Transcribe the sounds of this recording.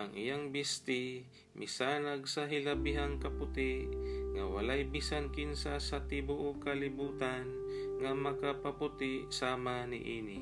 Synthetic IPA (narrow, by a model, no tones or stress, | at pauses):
ʔɐŋʔɪjaŋbist̪ɪ | mʔɪsaːnaɡ̚sɐɦɪlɐbɪɦaŋkɐpʊt̪ɪʔŋɐwɐlajbisankinsasɐt̪ɪbʊʔokɐlɪbuːt̪an | ŋamɐkapɐpʊt̪ɪʔsaːmanɪ̰ʔiːnɪ